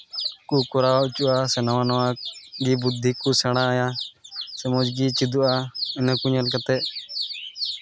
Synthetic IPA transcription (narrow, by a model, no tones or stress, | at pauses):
kukʊɾaaut͡ʃuʔasɛnəwãnɔwãɡibud̪ʱːikusɛɽ̃ãːjasɛmɔd͡ʒɡit͡ʃid̪uʔaɪnəkuɲəlkat̪ɛ